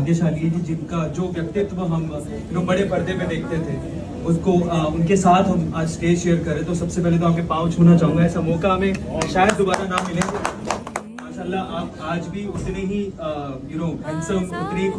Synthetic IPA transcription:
d̪jeʃaːliekid͡ʒɪnkad͡ʒoːʋjɐk̚t̪ɪt̪ʋaɦɐm | ɪnõbɐɽepɐɾd̪ẽmẽd̪eːk̚ʰt̪et̪ʰeː | ʊskoʊnkesaːt̪ʰɦɐmaːd͡ʒsʈeːd͡ʒʃejəɾkɐɾẽt̪osɐbsepɛɦlet̪̬oaːp̚kepãːʋt͡ʃʰoːnat͡ʃaːɦũŋɡaɛːsamoːkaɐmẽʃaːjəd̪ːobaːɾanaːmːɪlẽɡe | maːʃaːlːaaːpaːd͡ʒbʱiʊt̪neɦijʊnoːɦɛ̃ːnsəɾʊnkot̪ɐkɾiːb

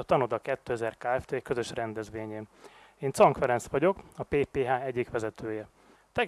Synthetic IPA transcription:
ɒt̪ɒnod̪ɒkɛt̪ːøːɛzɛrkaːɛft̪eːkø̞zø̞ʃrɛnd̪ɛzʋeːɲeːneːnt̪sɒŋkfɛɾɛnsʋɒɟo̞kɒpeːpeːɦaːɛɟːikʋɛzɛt̪øːjɛ | t̪ɛ

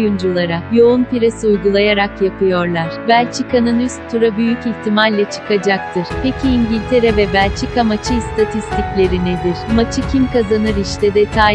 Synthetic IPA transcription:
jund͡ʒulˠaɾakjo̞unpiɾesiujɡulˠajaɾakjapɯjo̞ɾlˠaɾ̥bælʲt͡ʃʰikanɯnyst̪ʰːuɾabyjyciçt̪ʰimalʲlːʲat͡ʃʰɯ̥kad͡ʒak̚t̪ʰɯɾ̥pʰecʰiːɲɟilʲt̪ʰe̞ɾɛvɛbælʲt͡ʃʰikamat͡ʃʰɯist̪ʰat̪ʰist̪ʰiclʲe̞ɾined̪iɾ̥mat͡ʃʰɯcʰimkazanɯɾiʃt̪ʰɛd̪ɛt̪ʰaː

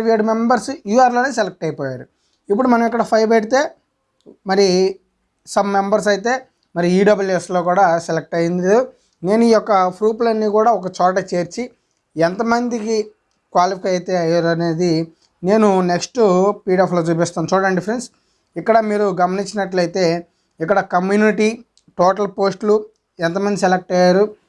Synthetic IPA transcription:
ʋieɖmembɐɾsjuːaːɾloːneːselek̚ʈɐjpɔːjaːɾu | ipːuɽumɐnɐmik̬ːɐɽɐpʰɐjpeʈit̪e̞ː | mɐɾi | sɐmːe̞mbɐɾs̬ɐjit̪̬e̞ː | mɐɾiiːɖɐbuljeslo̞ːkuːɽaːselek̚ʈɐjind̪iu | ne̞ːnuiːjɔkːɐpʰɾuːplɐnːiːkuːɽaːɔk̬ɐt͡ʃɔːʈ̬ɐt͡ʃe̞ːɾt͡ʃi | ɛnt̪ɐmɐnd̪iki | kʋaːlipʰkɐjɐjit̪eːɐjaːɾɐneːd̪i | ne̞ːnune̞ksʈupiːɖapʰloːd͡ʒupɛst̪aːnt͡ʃɔːɽɐɳɖipʰɐɾens | ikːɐɽɐmiːɾuɡɐmɐniɲt͡ʃinɐʈlɐjit̪e̞ː | ikːɐɽɐkɐmjuːniʈiː | ʈoːʈɐlpo̞ːsʈlu | ɛnt̪̬ɐmɐnd̪iselek̚ʈɐjaːɾu

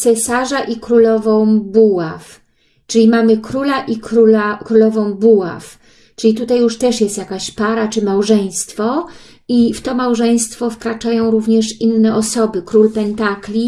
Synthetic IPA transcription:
t̪sɛsaʐaʔikɾulɔvɔ̃w̃buwaf | t͡ʂɘlʲimamɘkɾulaʔikɾulakɾulɔvɔ̃w̃buwa̰f | t͡ʂɘlʲit̪ut̪ajːuʂt̪ɛʂjɛst̪jakaɕpaɾat͡ʂɘmawʐɛj̃st̪fɔ | ift̪ɔmawʐɛj̃st̪fɔfkɾat͡ʂajɔ̃w̃ɾuvɲɛʂinːɛʔɔsɔbɘkɾulpɛnt̪aklʲi

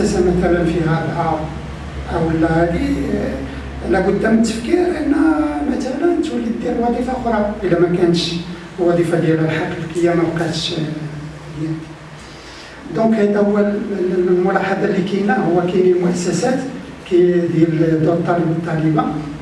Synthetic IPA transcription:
æsæmæt̪ælənfihæd̪ʔɑ | ʔəwəlːæhæd̪i | lækʊd̪ːæmət̪ːəfkiɾʔənːæmæt̪ælænt̪wælːəd̪ːiɾlwɑd̪ˤifɑxɾˤɑʔəlæmækænəʃ | wɑd̪ˤifɑd̪jæləlħakːəlkijːæmæwqæt̪əʃ | jænt̪i | d̪ɔ̃khæd̪æʊwːællmʊlɑħɑd̪ˤɑlːikinæhʊwːækæjnəlmʊʔæsːæsæt̪ | kæd̪jæld̪uɾt̪ˤːɑləbət̪ˤːɑləbɑ

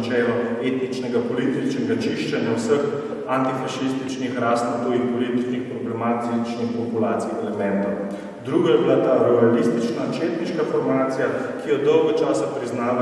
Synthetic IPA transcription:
t͡ʃɛːlɔet̪nit͡ʃnɛɡapɔlit̪it͡ʃnɛɡat͡ʃiʃt͡ʃanjawsəx | ant̪ifaʃist̪it͡ʃnixɾaːst̪ot̪owinpɔlit̪iknixpɾɔblɛmat̪it͡ʃnixpɔpulaːt̪sijɛlɛmɛnt̪ɔw | d̪ɾuːɡɔjɛbilat̪aːɾɛalist̪it͡ʃnat͡ʃeːt̪niʃkafɔɾmaːt̪sija | kijɛd̪ɔwɡɔt͡ʃaːsapɾiznaːla

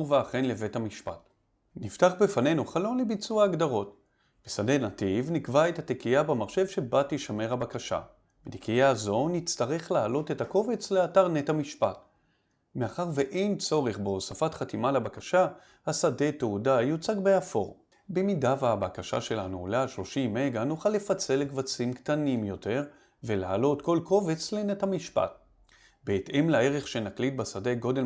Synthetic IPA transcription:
veaχenleve̞thamiʃpat | niftaχbefane̞jnuχalo̞nlebit͡suaːɡdaʁo̞t | b̥esade̞nativnikvaethatekijabamaʁʃe̞vʃe̞batiʃame̞ʁhabakaʃa̰ | betekijazo̞nit͡st̪aʁe̞χlaalo̞tetako̞ve̞t͡sle̞ataʁnethamiʃpat | meaχaʁveʔejnt͡so̞ʁeχbo̞safatχatimalabakaʃa | hasade̞teudajut͡saɡbeafo̞ʁ | be̞midavabakaʃa̰ʃe̞lanulaaʃlo̞ʃimeɡanuχalːefat͡se̞lːekvat͡simktanimjo̞te̞ʁ | ve̞laːlo̞tko̞lko̞ve̞t͡sle̞nethamiʃpa̰t̚ | be̞ːte̞mlae̞ʁe̞χʃe̞naklit̚basadeɡo̞de̞l

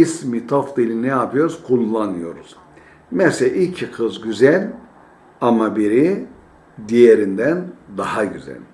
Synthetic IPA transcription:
ismit̪ʰofd̪ilʲinɛjapɯjo̞ɾuz̥kʰulˠːanɯjo̞ɾuz̥ | mɛseʔicʰikʰɯzɟyzælʲ | amabiɾi | d̪ijeɾind̪ænd̪ahaɟyzɛ̰lʲ

